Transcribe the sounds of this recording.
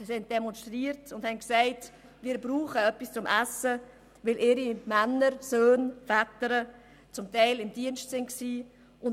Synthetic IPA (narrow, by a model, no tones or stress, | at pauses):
sɪn̚d̥ɛmɔnʃtʁiːəɾtʊndhɛnksaɪt | vɪːɾbɾuːχəœpist͡sʊmʔæsə | vɪlʔɪɾimænːəɾsøːnfætəɾə | t͡sʊmtaɪlɪmdiənʃtsɪntksiː | ʔʊn